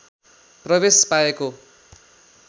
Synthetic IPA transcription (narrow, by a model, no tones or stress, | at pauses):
prʌbespaeko